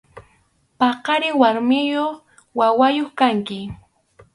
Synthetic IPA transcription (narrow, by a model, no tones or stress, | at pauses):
pɑqɑɾɪwaɾmɪjoχ | wawajoχkaŋkɪ